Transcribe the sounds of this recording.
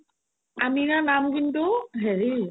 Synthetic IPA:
amiɹanamkintʊɦeɹi

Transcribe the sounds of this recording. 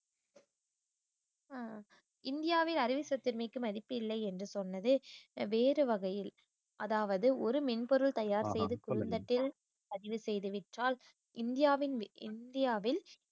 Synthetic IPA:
ɪnd̪ɪjaːʋɪlɐɾɪʋɪsɐt̪ːɪɾmɪkːɯmɐðɪpːɪlːɐɪɛndrɯsɔnːɐðɯʋeːɾɯʋɐɣɐjɪl | ʔɐðaːʋɐðɯʔɔɾɯmɪnpɔɾɯlt̪ɐjaːɾsɛjðɯkʊɾɯnd̪ɐʈːɪl | pɐðɪʋɯsɛjðɯʋɪʈraːl | ʔɪnd̪ɪjaːʋɪnɪ̰nd̪ɪjaːʋɪl

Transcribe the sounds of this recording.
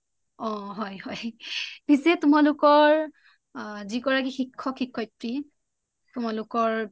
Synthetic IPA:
ɔɦɔjhɔjpisɛtʊmalʊkɔɹ | zikɔɹak̬ixikʰːɔkʰikʰːɔjtɹi | tʊmalʊkɔɹ

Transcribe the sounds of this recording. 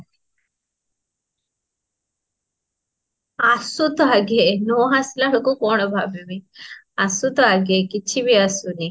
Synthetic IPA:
asut̪ɔaɡenowɦasilaɦokukɔɽ̃ɔbʱabebi | asut̪ɔaɡekit͡ʃʰibiasuni

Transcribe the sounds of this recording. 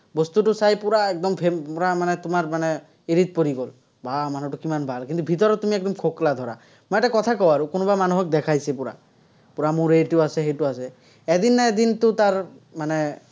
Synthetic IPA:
bɔst̪uʈusajpuɾaɛk̚d̪ɔmpʰepuɾamanɛt̪umaɾmanɛ | eɾit̪̚poɾiɡol | bamanuʈukimanbʱalkint̪ubʱit̪ɔɾɔt̪ːumiɛk̚d̪ɔmkʰoklad̪ʱɔɾa | mɔɛʈakɔt̪ʰakɔwaɾukonɔbamanuɦɔk̚d̪ɛkʰajsɛpuɾa̰ | puɾamũɾeʈiasɛɦejtuasɛ | ɛd̪inːaɛd̪intut̪aɾmane

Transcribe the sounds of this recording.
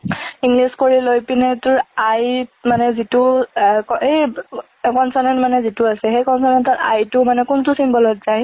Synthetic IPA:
iŋɡliskoɹilojpinɛtʊɹajmanɛzitʊkɔej | kɔnsanɛntmanɛzitʊasɛxejkɔnsanɛntɔta̰jtʊmanɛkʊntʊsimbɔlɔtz̥aj

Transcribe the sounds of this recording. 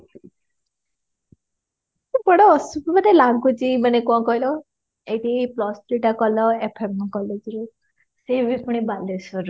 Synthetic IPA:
bɔɽɔːsupmanelaɡut͡ʃimanekɔ̃kɔɦilɔ | eʈiplɔsʈliʈakɔlɔepʰemkɔled͡ʒɾu | sebipuɽ̃ibalesɔɾ

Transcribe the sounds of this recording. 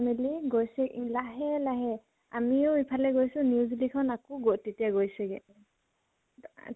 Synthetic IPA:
miliɡojsɛlaɦɛlaɦɛ | a̰miɔipʰalɛɡojsʊ̃niuzlikʰɔnakɔɡotetijaɡojsɛɡɛ

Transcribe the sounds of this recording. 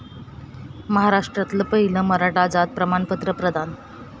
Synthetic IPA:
məɦaɾaʂʈɾat̪ləpəɦiləməɾaʈad͡zat̪̚pɾəmaɳpət̪ɾəpɾəd̪ʱan

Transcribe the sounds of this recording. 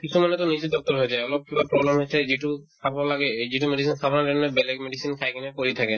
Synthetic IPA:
kisʰumanɛt̪ɔnisit̪d̪ɔk̚t̪ɔɾɦojd͡ʒajɔlɔp̚kibapɹɔblemɦojsʰɛziʈukʰabɔalaɡɛd͡ʑiʈumeɖisinsʰabɔnanemnebɛlɛkmeɖisinkʰajkʰinɛpoɹit̪ʰake

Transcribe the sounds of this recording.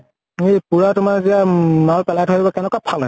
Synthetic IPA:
epuɹatʊmaziamalpɛlajtʰoibɔkɛnɛkwapʰalna

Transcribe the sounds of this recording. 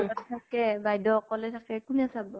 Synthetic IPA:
ɔtʰtʰakːɛbajdɔkːɔlɛtʰakɛkuniasabɔ

